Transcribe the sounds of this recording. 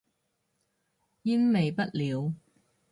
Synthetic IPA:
ji˥nme˨jpɐ˥t̚liː˨˧w

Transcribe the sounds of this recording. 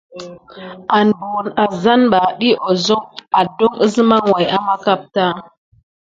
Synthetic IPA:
a˨n˨bo˨na˨za˦nɓa˨ɗi˦ʔo˨zo˦ŋa˨do˦ŋə˦zma˦ŋwa˨ja˦ma˦ka˦p̚ta˦

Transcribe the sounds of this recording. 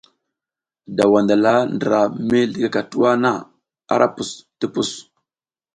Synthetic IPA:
da˨wa˨nda˨la˦ndə˨ɾa˨me˦ɮi˨ɡa˦ka˨tu˦wa˦na˦˨ | a̰˦ɾʔa˦pu˨sti˦pu˦s

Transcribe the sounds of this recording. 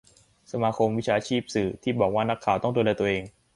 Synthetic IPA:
sa˧maː˧kʰo˧mwi˦˥t͡ɕʰaː˧t͡ɕʰiː˥˩p̚sɯː˨˩t̪ʰiː˥˩bɔː˨˩k̚waː˥˩na˦˥kʰːaː˨˩wt̪ɔ˥˩ŋdoː˧lɛː˧t̪u˧ʔeː˧ŋ

